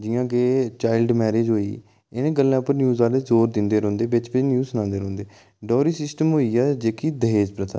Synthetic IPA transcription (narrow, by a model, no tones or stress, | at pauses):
d͡ʒɪjãːkeːt͡ʃaːɪlɖmɛːɾeːd͡ʒɦoːḭː | ɪnẽːɡəlːãːpəɾnjuːzaːleːzoːɾd̪ɪnd̪eːɾɔ̃ːnd̪eːʋɪt͡ʃpɪt͡ʃnjuːənãːnd̪eːɾɔ̃ːnd̪eː | ɖɔːɾiːsɪsʈəmɦoːiːɛːd͡ʒeːkiːd̪əɦeːd͡ʒpɾət̪ʰa̰ː